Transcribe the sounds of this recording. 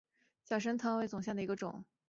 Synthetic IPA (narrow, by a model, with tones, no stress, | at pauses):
ɕjɑa˥˩ʂ̬ə˥nt̪ʰɑ˥ŋwe˧˥t͡sʊ˨˩ŋɕjɑ˥˩d̪ə˩i˧˥ɡə˧ʈ͡ʂʊ̰˨˩˦ŋ